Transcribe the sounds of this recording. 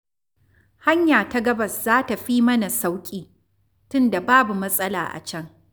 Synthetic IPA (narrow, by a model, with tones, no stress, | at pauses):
ha˦ɲjaː˨ta˦ɡɐ˦bɐ˨szaː˦ta˨ɸi˦mɐ˦na˨sa˦wkʲʼiː˨ | tʊ˦nda˨baː˦bu˨mɐ˦sʼɐ˦la̰ː˨ʔa̰˨t͡ʃɐ˦ŋ